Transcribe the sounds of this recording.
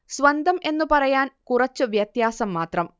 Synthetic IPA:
sʋɐnd̪ʱɐme̞nːupɐrɐjaːnkurɐt͡ɕːɨʋjɐt̪jaːsɐmːaːt̪rɐm

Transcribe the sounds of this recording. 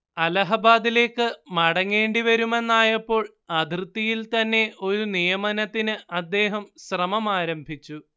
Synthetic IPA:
ɐlɐɦɐbaːd̪ile̞ːkːɨmɐɽɐŋːe̞ːɳɖiʋɐɾume̞nːaːjɐpːo̞ːɭ | ɐd̪ʱrɨt̪ːijilt̪ɐnːe̞ʔo̞ɾunijɐmɐnɐt̪ːinɨʔɐd̪ːe̞ːɦɐmɕrɐmɐmaːɾɐmbʱit͡ɕːu

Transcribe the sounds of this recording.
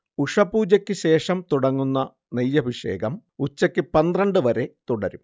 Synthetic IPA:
uʂɐpuːd͡ʑɐkʲːɨɕe̞ːʂɐmt̪uɽɐŋːunːɐ | nejːɐbʱiʂe̞̰ːɡɐmut͡ɕːɐkʲːɨpɐnd̪rɐɳɖɨʋɐɾe̞t̪uɽɐɾum

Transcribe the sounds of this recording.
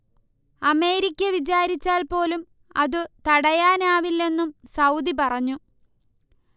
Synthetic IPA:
ɐme̞ːɾikʲːɐʋit͡ɕaːɾit͡ɕːaːlpo̞ːlum | ɐðɨt̪ɐɽɐjaːnaːʋilːe̞nːumsɐwd̪ipɐrɐɲːu

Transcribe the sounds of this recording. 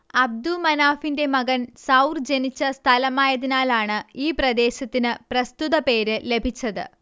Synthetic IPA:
ɐb̚d̪umɐnaːfinde̞mɐɡɐnsɐwrd͡ʑenit͡ɕːɐst̪ʰɐlɐmaːjɐðinaːlaːɳɨiːprɐd̪e̞ːɕɐt̪ːinɨprɐst̪uðɐpe̞ːɾɨle̞bʱit͡ɕːɐðɨ̰

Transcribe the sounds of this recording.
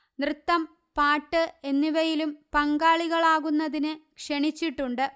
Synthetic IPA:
nrɨt̪ːɐm | paːʈːɨe̞nːiʋɐjilumpɐŋɡaːɭiɣɐɭaːɣunːɐðinɨkʂeɳit͡ɕːiʈːuɳɖɨ

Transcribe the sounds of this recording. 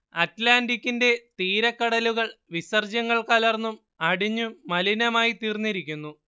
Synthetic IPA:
ɐtlaːndikʲːinde̞t̪iːɾɐkːɐɽɐluɣɐɭʋisɐrd͡ʑɐŋːɐɭkaːlɐrnːum | ɐɽiɲːumɐlinɐmaːjit̪iːrnːiɾikʲːunːu

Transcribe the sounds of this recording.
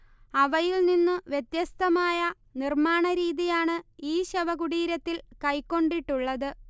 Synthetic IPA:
ɐʋɐjilninːɨʋjet̪jɐst̪ɐmaːjɐ | nirmaːɳɐɾiːðijaːɳɨiːɕɐʋɐɣuɽiːɾɐt̪ːilkɐjkːo̞ɳɖiʈːuɭːɐðɨ

